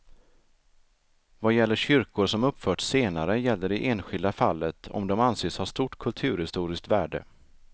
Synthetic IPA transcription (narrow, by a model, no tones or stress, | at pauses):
vajɛlːəɕʏɾkʊɾʂɔmɵpːfœːʈseːnaɾəjɛlːəɖɛʔeːnɧɪld̪afalːət̪ʰɔ̰md̪ɔmanseːshaʂt̪uːʈkʰɵlt̪ʰʉ̟ːɾhɪst̪uːɾɪsk̚t̪væːɖə̰